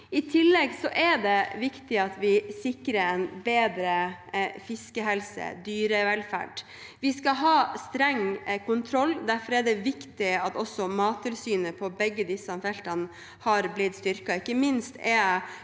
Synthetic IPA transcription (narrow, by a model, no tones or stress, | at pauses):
ɪt̪ʰɪlːɛɡsɔʔɛɖɛʋɪkt̪ɪɑt̪ʋɪsɪkɾəɾɛnbeːd̪ɾəfɪskəɦɛlsə̰d̪yːɾəʋɛlfæ̰ɖ | ʋɪskɑɦɑːst̪ɾɛŋːkʊnt̪ʰɾɔlːd̪æɾfɔɾɛɖɛʋɪkt̪ɪɑt̪ɔsːɔmɑːt̪ʰːɪlsyːnəpʰɔbɛɡːəd̪ɪsɑmfɛlt̪ɑn | hɑɾblɪt̪st̪ʏɾkɑɪkːəmɪnst̪ɛ